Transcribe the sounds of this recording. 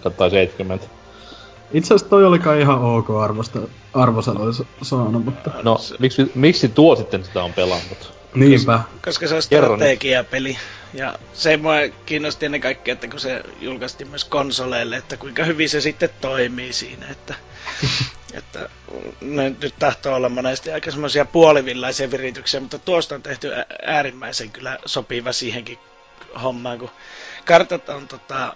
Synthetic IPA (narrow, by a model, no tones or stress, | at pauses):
kɑt̪ːɑiseit̪kymːent̪ | it̪sest̪t̪oiolikɑːiihɑoːkoːɑrʋost̪ɑ | ɑrʋosɑt̪oissɑːnumut̪ːɑnomiksimikssit̪uosit̪ːensit̪æompelɑnːut̪ | niːmpækoskɑseost̪erɑekiɑpeli | jɑ̰ | semːoekiːnːost̪ienːekɑikːiɑet̪ːækusḛjulkɑst̪iːmmyøskonsoleːlːeet̪ːækuiŋkɑhyʋisesit̪ːet̪t̪oimiːsḭːnæ̰et̪ːæ | ḛt̪ːæ̰ | nenyt̪t̪ɑht̪oːolːɑmmonest̪iɑikɑsemːosiɑpuoliʋilːɑisiɑʋirit̪yksiæmut̪ːɑt̪uost̪ont̪eht̪yææːrimːæiseŋkylːˑæsopiʋɑsiːheŋki | homːɑːŋkukɑrt̪ɑt̪ont̪ot̪ɑ